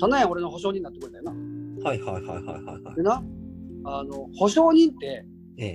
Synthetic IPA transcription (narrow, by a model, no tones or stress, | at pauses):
t̪anajão̞ɾe̞no̞ɦo̞ɕ̬oːɲ̟ĩnːat̪ːkɯɾet̪ajoahaihaiha̰iha̰jha̰jha̰ɾena | ano̞ho̞ɕo̞ːɲ̟ĩnt̪e̞ | ḛ